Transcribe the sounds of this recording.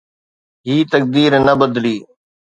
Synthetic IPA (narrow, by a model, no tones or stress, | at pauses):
ɦiːt̪ək̚d̪iːɾnəbəd̪liː